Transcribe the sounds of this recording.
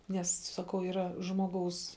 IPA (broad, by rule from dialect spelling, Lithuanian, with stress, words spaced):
ˈnʲɛs sɐˈkɐʊ iːˈrɐ ˈʒmoːˌɡɐʊs